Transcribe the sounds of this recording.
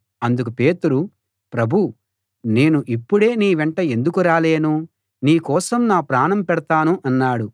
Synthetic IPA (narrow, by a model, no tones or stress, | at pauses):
ɐnd̪uk̬upe̞ːt̪uɾu | pɾɐbʱu | ne̞ːnuʔipːuɽe̞ːniːʋɛɳʈɐend̪ukuɾaːle̞ːnu | niːkɔːsɐmnaːpɾaːɳɐmpɛɽɐt̪aːnuʔɐnːaːɽu